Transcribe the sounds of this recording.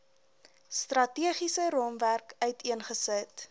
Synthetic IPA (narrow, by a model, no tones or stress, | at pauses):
strɐtiəχisəɾɔmværkœɥtiənχəsət